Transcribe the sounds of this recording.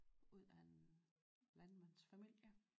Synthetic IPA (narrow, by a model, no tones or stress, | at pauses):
uð̰ˠæe̝n | lænmæn̰sfæmil̰jə